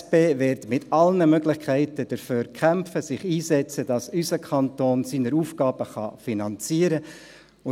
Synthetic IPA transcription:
beːʋɪɾtmɪtɑlnəmøɡlɪχkʰɛɪtəd̥əɾføːɾkʰχæmpfəsɪχiːsɛt͡səd̥ɑsysəkʰɑntoːnsiːnəɾuːfɡ̥ɑːb̥əχɑ̰finɑnt͡siəɾə | ʊ

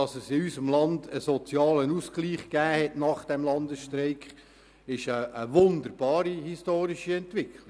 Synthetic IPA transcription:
ɑsɛsiysəmlɑndəsɔt͡sjɑːlənuːsɡ̥liːχɡ̥æːhɛtnɑːχd̥ɛmlɑndəsʃtɾeɪkχ | ɪʃəːʋʊnd̪əɾb̥ɑːɾihistoːɾiʃiɛntvʋɪkʰlɪ

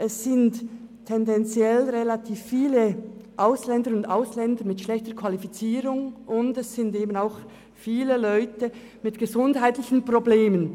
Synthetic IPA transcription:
ʔɛsːɪnttʰːɛndɛnt͡sjɛlʁelatʰiːfːiːləʔaʊslɛndəɾʊnda̰ʊslɛndəmɪtʃlɛçtəkʰv̥alifit͡siːɾʊŋʊndɛsːɪndeːbən̩aʊx | fiːləlɔʏtə | mɪtɡ̥əzʊndhaɪtlɪçn̩probleːmən

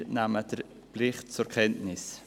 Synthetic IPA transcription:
naːməd̥əɾ | plɪχt̚t͡sʊkʰɛntnɪs

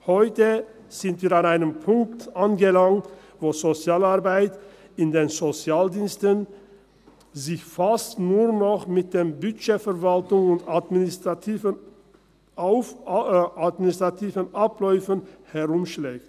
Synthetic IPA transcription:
hɔʏtə | z̥ɪntv̥iːʁanaɪnəmpʰʊŋk̚tʔanɡəlaŋt | voːzot͡sjaːlaʁbaɪt | ɪndeːnzot͡sjaːldiːnstən | zɪçfastnuːɐnɔχmɪt̚d̥eːmbʏʃeːfɛʁvaltʊŋʊntmː | ʊ | atmɪnɪstʁ̥atʰiːvənʔaplɔʏfənhɛʁʊmʃlɛːk̚t

